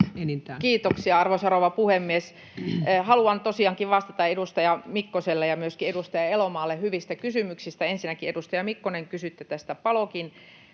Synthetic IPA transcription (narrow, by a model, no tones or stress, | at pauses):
kiːt̪oksiɑɑrʋoisɑroʋɑpuhemːies | hɑluɑnt̪osiɑŋkiʋʋɑst̪ɑt̪ɑedust̪ɑjɑmikːoselːejɑmyøskiedust̪ɑjɑelomɑːlːehyʋist̪ækysymyksist̪æensinækiedust̪ɑjɑmikːoneŋkysyt̪ːøt̪æst̪æpɑlokin